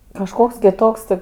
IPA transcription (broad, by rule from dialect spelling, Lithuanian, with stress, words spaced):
kɐʃˈkoːks kʲɪˈtoːks tʲɪ